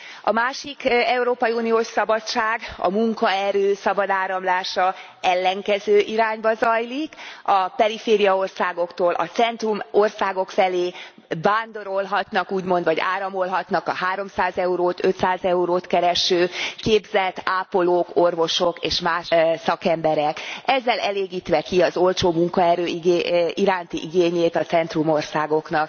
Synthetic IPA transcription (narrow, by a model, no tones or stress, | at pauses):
ɒmaːʃikɛuɾoːpɒjiuːnijoːʃsɒbɒt͡ʃːaːɡɒ̰muŋkɒɛɾøːsɒbɒd̪aːɾɒmlaːʃɒ | ɛlːɛŋkɛzøːʔiɾaːɲbɒzɒjlikɒpɛɾifeːɾijɒo̞rsaːɡo̞kt̪oːlʔɒ̰t̪sɛnt̪rumo̞rsaːɡo̞kfɛleː | vaːnd̪o̞ɾo̞lɦɒt̪nɒkuːɟmo̞nd̪ʋɒɟa̰ːɾɒmo̞lɦɒt̪nɒkɒhaːɾo̞msaːzɛuɾoːt̪øt̪saːzɛuɾoːt̪kɛɾɛʃøːkeːbzɛt̪ːaːpo̞loːkorvo̞ʃokeːʃmaːʃsɒkɛmbɛɾɛkɛzːɛlɛleːɡiːt̪ʋɛkiɒzo̞lt͡ʃoːmuŋkɒɛɾøːɡʔiɾaːnt̪ḭʔiɡeːɲeːt̪ɒt̪sɛnt̪rumo̞rsaːɡo̞knɒk̚